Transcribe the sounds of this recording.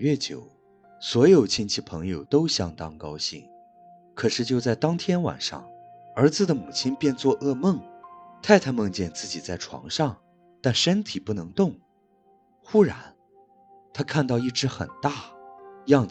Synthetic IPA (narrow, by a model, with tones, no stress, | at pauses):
ɥɛ˥˩t͡ɕjo̰˨˩ʊ | swɔ˧˥jo˨˩ʊt͡ɕʰi˥nt͡ɕʰi˥˩pʰɤ˧˥ŋjo˨˩ʊt̪o˥ʊɕjɑ˥ŋt̪ɑ˥ŋkɑ˥ʊɕḭ˥˩ŋ | kʰɤ˨˩ʂɻ̩˥˧t͡ɕjo˥˧ʊt͡sa˥˩ɪt̪ɑ˥ŋt̪ʰjɛ˥nwa̰˨˩nʂɑ̰˥˩ŋə˞˧˥d͡zɹ̩˧d̪ə˩mu˨˩t͡ɕʰi˥npjɛ˥˧nt͡swɔ˥˧ʔɤ˥˧mɤ˥˩ŋt̪ʰa˥˩ɪt̪ʰa˥mɤ˥˧ŋt͡ɕjɛ˥˧nt͡sɹ̩˥˩t͡ɕi˨˩t͡sa˥˩ɪʈ͡ʂʰwɑ̰˧˥ŋʂɑ˥˧˩ŋ | t̪a˥˩nʂə˥nt̪ʰi˨˩pu˥˩nɤ˧˥ŋt̪ʊ˥˩ŋ | xu˥ɻa˧˥n | t̪ʰa˥kʰa˥˧nt̪ɑ˥˧ʊi˥˩ʈ͡ʂɻ̩˧˥xə̰˨˩nt̪a˥˩jɑ˥˩ŋ